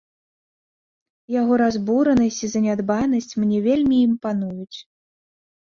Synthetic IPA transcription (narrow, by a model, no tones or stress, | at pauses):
jaɣɔɾazbuɾɐnɐsʲt͡sʲizɐnʲad̪banɐsʲt͡sʲmnʲɛvʲelʲmʲiːmpanujut͡sʲ